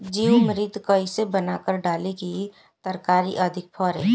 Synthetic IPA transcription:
d͡ʒiːwmɾɪt̪kəɪsebənaːkəɾɖaːleki | t̪əɾkaːɾiʔəd̪ʱɪk̚pʰɔːɾḛː

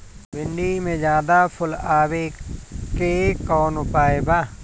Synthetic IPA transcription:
bɪ̃ɳɖimẽd͡ʒjaːd̪apʰʊlaːwekekɔːnʊpaːebaː

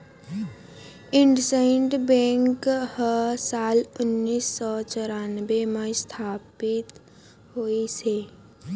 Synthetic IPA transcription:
ɪɳɖsaɪɳɖbẽːŋkhəsaːlʊnːiːsːɔːt͡ʃɔɾaːnbemẽst̪ʰaːpɪt̪ | ɦoːiseː

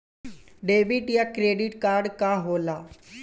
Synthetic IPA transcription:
ɖeːbiʈjakɾeːɖiʈkaːɾɖkaɦoːlaː

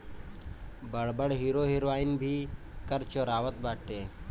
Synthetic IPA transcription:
bəɽbəɽɦiːɾoːɦiɾʋaːinbʱiː | kəɾt͡ʃoɾaːʋət̪̚baːʈeː

